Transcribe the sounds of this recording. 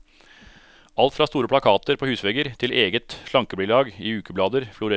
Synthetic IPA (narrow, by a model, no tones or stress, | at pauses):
ɑlt̪fɾɑːst̪uːɾəpʰlɑkʰɑːt̪əɾpʰoːhʉːsʋɛɡəɾt̪ʰɪlʔeːɡət̪ʂlɑŋkəbɽɪːlɑːɡiːʉːkəblɑːd̪əɾflʊɾe